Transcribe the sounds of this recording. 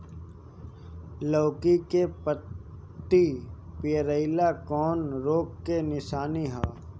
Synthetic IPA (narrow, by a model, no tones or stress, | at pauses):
lɔːkikepət̪ːipɪjəɾəɪlakɔːnɾoːkːenɪsaːniɦaː